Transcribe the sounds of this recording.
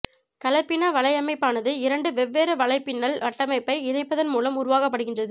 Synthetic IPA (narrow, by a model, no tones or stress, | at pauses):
kɐlɐpːɪnɐʋɐɭɐɪjɐmɐɪpːaːnɐðɯɪɾɐɳɖɯʋɛʋːeːɾɯʋɐɭɐɪpːɪnːɐlʋɐʈːɐmɐɪpːɐɪɪnɐɪpːɐðɐnmuːlɐmʊɾʊʋaːɣɐp̬ːɐɽɯɣɪndrɐðɯ